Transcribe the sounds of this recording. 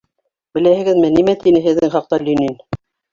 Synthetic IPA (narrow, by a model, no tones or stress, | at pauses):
bɘ̆læhɘ̆ɡɘ̆ðmɘnimæt̪inɘɦɘ̆ðːɘŋχɑq̚t̪ɑlʲynin